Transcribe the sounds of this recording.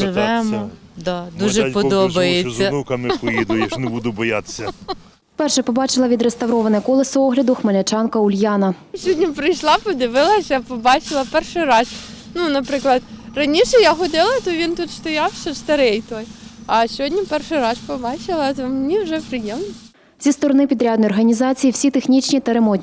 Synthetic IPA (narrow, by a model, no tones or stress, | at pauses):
ʒɪʋɛmɔd̪ad̪uʒɛpɔd̪ɔbɐjezʲːɐnukɐmɪkʊjid̪ʊjeʃnebud̪ʊbɔja̰t̪ɪ̥sʲːɐ | pɛrʃɛpɔbɑt͡ʃɪlˠɐʋʲid̪ɾest̪ɐwɾɔʋɐnɐkɔlˠɐsɐɔɦlʲɐd̪ʊxmɐlʲɐt͡ʃɑnkɐʊlʲjɑnɐsʲɔdʲnʲipɾɪjʃlˠɑpɔd̪ɪʋɪlˠɐsʲɐpɔbɑt͡ʃɪlˠɐpɛrʃʊjɾɑs | nunɐpɾɪklˠɐd̪rɐnʲiʃɛjaxɔd̪ɪlˠɐt̪ɔʋʲint̪ut̪st̪ɔjɑwsɔst̪ɐɾɛjt̪ɔjɐsʲɔɦɔdʲnʲipɛrʃɪjɾɑspɔbɑt͡ʃɪlˠɐt̪ɔmnʲiwʒɛpɾɪjɛmnɔ̥ | t͡sʲist̪ɔɾɔnɪpʲid̪ɾʲad̪nɔjɔrɦɐnʲizɑt͡sʲijiwsʲit̪exnʲit͡ʃʲnʲit̪ɐɾemɔt̪ʲnʲ